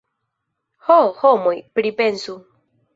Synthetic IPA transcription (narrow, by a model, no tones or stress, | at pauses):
hohomojpɾipensu